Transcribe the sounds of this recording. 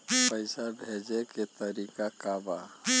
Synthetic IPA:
pəɪsabʱeːd͡ʒeket̪əɾiːkakaba

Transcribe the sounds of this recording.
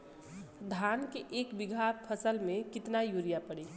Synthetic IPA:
d̪ʱankeʔeːkbɪɡʱapʰəsəlmẽkɪt̪najuːɾijapəɽi

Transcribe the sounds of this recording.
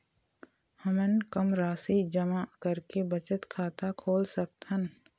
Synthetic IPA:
hɐmənkəmɾaːsid͡ʒəmakəɾkebɐt͡ʃət̪kʰaːt̪akʰoːlsək̚t̪ɦən

